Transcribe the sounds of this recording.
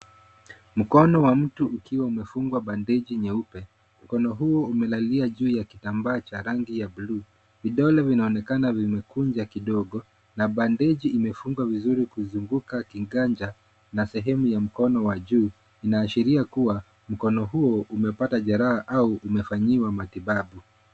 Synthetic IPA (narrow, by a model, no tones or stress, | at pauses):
m̩kɔnɔwam̩tuːkiwaumɛfuŋɡwaɓandɛʄiɲɛupɛ | m̩kɔnɔɦuɔumɛlaliaʄuːjakitambaːt͡ʃaɾaŋɡijabluː | viɗɔlɛvinaɔnɛkanavimɛkuɲd͡ʒakiɗɔɠɔ | naɓandɛʄiːmɛfuŋɡwavizuɾikuzuŋɡukakiŋɡaɲd͡ʒa | nasɛɦɛmujam̩kɔnɔwaʄuː | inaːʃiɾiakuwa | m̩kɔnɔɦuɔumɛpataʄaɾaaʔauʔumɛfaɲiwamatiɓaɓu